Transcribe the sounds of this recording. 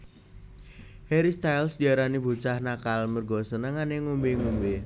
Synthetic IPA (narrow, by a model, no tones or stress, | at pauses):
heɾist̪ajlsd̪iaɾanibṳt͡ʃahnakalmərɡɔsənəŋaneŋumbeŋumbe